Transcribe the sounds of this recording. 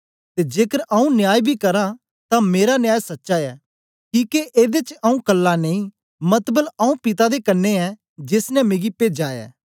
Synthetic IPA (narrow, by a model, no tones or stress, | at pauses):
t̪ed͡ʒeːkəɾaũnɪjaːjbʱikɐɾã | t̪ãmeːɾanjaːjsɐtːʃaɛː | kĩːkeʔeːd̪et͡ʃaũkɐlːaneĩ | mɐt̪bəlaũpɪt̪ad̪ekɐnːeɛ | d͡ʒesnɛmẽːɡipeːd͡ʒaːɛ̰ː